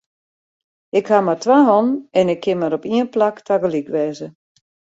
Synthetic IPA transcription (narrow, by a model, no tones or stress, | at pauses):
ɪkhamartʋaɦɔnɛnɪkʰːɪnmaɾɔpiənplaktʰaɡəlikʋɛːzə